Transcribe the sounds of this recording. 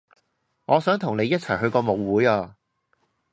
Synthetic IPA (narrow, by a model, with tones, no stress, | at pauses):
ŋɔː˨˧sœː˨˥ŋt̪ʰʊ˨˩ŋne˨˧jːɐ˥t̚t͡sʰɐ˨˩jɦɵ˧ɥkɔː˧mo˨˧wwuː˨˥jaː˧